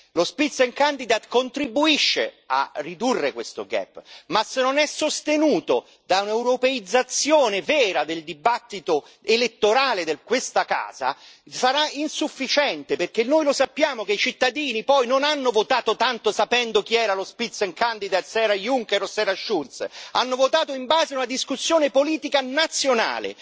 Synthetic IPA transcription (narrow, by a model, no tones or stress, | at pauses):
lospit̪seŋkand̪id̪at̪kont̪ɾibuiʃːḛ | a̰rːid̪urːekwest̪o̰ɡɛ̰pːmasːenːonɛsːost̪enuːt̪o | d̪aunɛwɾopeid̪zːat̪sːjoːnevɛːɾad̪eld̪ibat̪ːit̪o | elet̪ːoɾaːled̪ekwest̪aka̰ːza̰saɾainsufːit͡ʃɛnt̪eperkenːojlosapːjaːmokeit͡ʃit̪ːad̪iːnipɔjnonanːovot̪aːt̪ot̪ant̪osapɛnd̪ok̟iɛːɾalospit̪sːoeŋkand̪id̪asɛːɾajuŋkeɾosɛːɾaʃult̪sa̰nːovot̪aːt̪oimbaːzeaunad̪iskusːjoːnepoliːt̪ikanat̪sːjona̰ːlḛ